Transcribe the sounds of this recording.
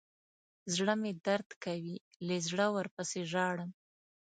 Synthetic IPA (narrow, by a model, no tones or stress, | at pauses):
zɽəmed̪aɾd̪kawi | lezɽəwəɾpəseʒɑɽəm